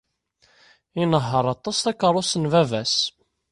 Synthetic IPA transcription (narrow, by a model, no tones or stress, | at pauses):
inəɦːəɾˤɑt̪ˤɑst̪ækːəɾˤʊsənvævæs